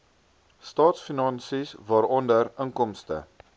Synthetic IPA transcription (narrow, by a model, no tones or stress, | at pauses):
stɑːtsfinɑnsisvɑːɾɔndərəŋkɔmstə̰